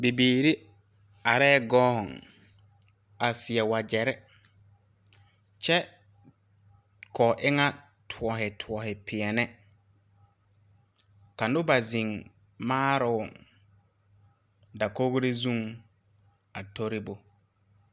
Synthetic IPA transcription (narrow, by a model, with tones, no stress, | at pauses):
bi˨biː˨ɾi˦ | a˨ɾɛː˦ɡɔː˦hɔ̃˨ŋ | a˨sɪ˨ɛ˨wa˨d͡ʒɛ˨ɾɛ˦ | t͡ʃɛ˦ | kʰɔ˨ʔɪ˦ŋa˦ | tʰʊ˨ɔ˨ɦɪ˨tʰʊ˨ɔ˨ɦɪ˨pʰɪ˨ɛ˨nɛ˦ | ka˨nʊ˦ba˨zi˨ŋ | maː˦ɾʊ˨ʊ˨ | da˨ko˦ɣɾi˦zũ˦ŋ | a˨to˦ɾɪ˦bo˨